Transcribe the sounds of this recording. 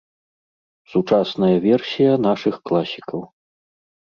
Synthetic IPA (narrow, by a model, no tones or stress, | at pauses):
sut͡ʂasnɐjɐvʲɛrsʲijɐnaʂɨxklˠasʲikɐw